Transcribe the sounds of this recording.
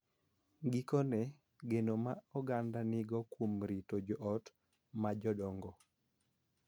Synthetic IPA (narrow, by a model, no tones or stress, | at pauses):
ɡikɔnɛ | ɡenomaɔɡandanɪɡɔkwomɾitod͡ʒɔʔɔt | mad͡ʒɔdɔŋɡɔ